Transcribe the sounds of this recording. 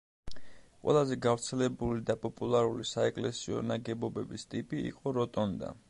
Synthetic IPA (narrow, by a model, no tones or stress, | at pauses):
qʼwɛ̰lˠazɛɡavɾt̪sʰɛlɛbulid̪apʼɔpʼulˠaɾulisaɛkʼlɛsiɔ̰naɡɛbɔbɛbist̪ʼipʼiḭqʼɔɾɔt̪ʼɔnd̪a̰